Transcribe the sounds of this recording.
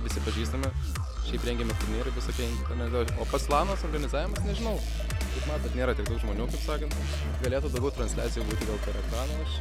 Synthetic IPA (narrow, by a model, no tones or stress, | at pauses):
ʋʲɪsʲɪpɐʒʲiːst̪ɐmʲɪ | ʃʲɛɪpɾʲɛŋɡʲɛmʲɛt̪ʊɾʲmʲiːɾɐʋʲɪsoːkʲiɛɪnʲt̪ʲɛnʲɛt̪ʲːoːpɐslˠɑːnɐːsoːɾɡɐnʲɪzɑːʋʲɪmɐsnʲɛʒʲɪnɐʊ | kɐɪpmɑːt̪bʲɛt̪nʲeːɾɐt̪ʲɪkd̪ɐʊkʒmoːnʲuːkɐɪpsɑːkɐnt̪ | ɡɐlʲeːt̪ʊd̪ɐʊɡʲɛʊt̪ɾɐnsʲlʲæːt͡sʲɪjuːɡuːt̪ʲɪd̪ʲeːlˠkɐɾɐt̪ɑːnoɐʃ